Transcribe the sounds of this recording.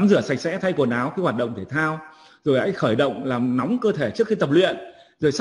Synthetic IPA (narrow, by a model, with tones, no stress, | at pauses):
mzɨ˧˩əsa˨˩k̟̚sɛ̰˧˥t̪ʰa˧jku˨˩ənaː˨˦wkaː˨˦jwaː˨˩t̚ɗə̰˧˨ŋ͡mt̪ʰe˧˩t̪ʰaː˧w | zo˨˩jha̰ː˧˥jxəː˧˩jɗə̰˧˨wŋ͡mlaː˨˩mnɔ˨˦wŋ͡mkəː˧t̪ʰe˧˩t͡ɕɨ˦˥əkxi˧t̪ə˨˩p̚lwḭ˧˨ən | zo˨˩js